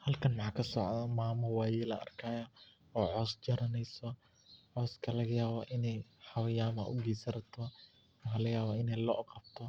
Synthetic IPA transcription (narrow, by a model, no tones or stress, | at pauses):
hɐlkʰɐnmɑħɑːkʰɐsɔʕðɐmaːmɔwɑːjɛːlɐ̰ʔɐ̰rkʰaːjɐ | ɔːʕɔːsd͡ʒɐɾɐnɛjsɔ | ʕɔːskʰɐlɐɣɐjaːβɐʔɪnɛjħɑwɐjaːmɐ̰ʔʊ̰ɡiːsɐɾɐt̪ʰɔ | mɑħɑlɐjaːβaɪnɛjlɔ̰ːʔqɑb̥t̪ʰɔ